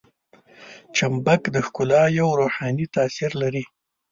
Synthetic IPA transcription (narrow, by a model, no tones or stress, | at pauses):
t͡ʃambakd̪əxkʊlɑjawɾoħɑnit̪asiɾlaɾi